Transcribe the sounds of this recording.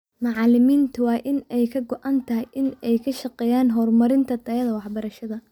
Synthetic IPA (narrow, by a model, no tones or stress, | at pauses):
mɑʕɑlɪmiːnt̪ʰɐwɑːʔɪnɛjkʰɐɡɔʔant̪ʰɐɦɪjʔɪnɛjkʰɐʃɐqɛːjaːnɦɔːrmɐɾɪnt̪ʰɐd̪ɐjɐðɐwɑħbɐɾɐʃɐðɐ